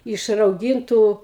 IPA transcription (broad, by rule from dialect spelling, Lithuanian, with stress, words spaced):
ɪʃ rɐʊˈɡʲɪntuː